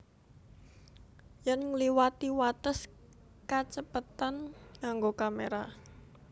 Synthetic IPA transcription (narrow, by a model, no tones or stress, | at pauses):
jənliwat̪iwat̪əs | kat͡ʃəpət̪anaŋɡokameɾa